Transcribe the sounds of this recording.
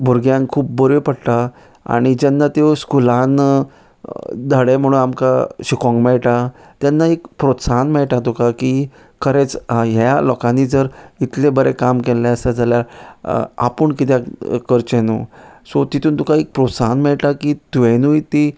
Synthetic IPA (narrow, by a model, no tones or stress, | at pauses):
bʱuɾɡjãŋkʰuːpbəɾepəɽʈ̪a | a̰ɽ̃id͡ʑɛnːat̪eskulan | d̪ʱəɽem̤əɽ̃unamkaɕikɔ̃ŋɡmɛɭʈa | t̪janːaekpɾot̪sanmɛɭʈat̪ukaki | kʰəɾet͡sɦalɔkãnːid͡zəɾit̪lebəɾekamkelːẽəsad͡zʱaljaɾ | a̰pəɳkit̪̬jakəɾt͡ɕẽnṵsot̪it̪ʰuːnt̪ukaek̚pɾot̪sanmɛɭʈakit̪uenuit̪i